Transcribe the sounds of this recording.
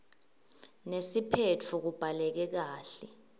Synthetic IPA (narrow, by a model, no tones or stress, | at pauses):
nesipʰet͡fʰuk̬ub̥ʱalɛk̬ɛk̬aːɬɛ